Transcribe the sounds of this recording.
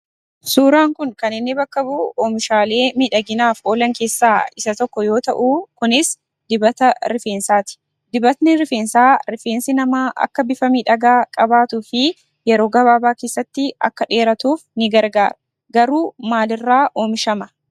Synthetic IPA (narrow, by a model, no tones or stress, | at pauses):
suːɾaːŋkʊŋkɐnɪnːɪbɐkːɐbuoːmɪʃaːle̞ːmiːᶑɐɡɪnaːfo̞ːlɐŋke̞ːsːaːɪsɐt̪ɔkːɔjo̞ːt̪ɐ̰ʔuːkʊnɪs | d̪ɪbɐt̪ɐɾɪfeːnsaːt̪ɪ̥ | d̪ɪbɐt̪nɪɾɪfeːnsaːɾɪfeːnsɪnɐmaːʔɐ̰kːɐbɪfɐmiːᶑɐɡaːkʼɐbaːt̪uːfɪ | jɛɾo̞ːɡɐβaːbaːke̞ːsːɐt̪ːɪɐ̰kːɐᶑe̞ːɾɐt̪uːfnɪɡɐɾɡa̰ːɾɐ̥ | ɡɐɾuːmaːlɪrːaːʔoːmɪʃɐmɐ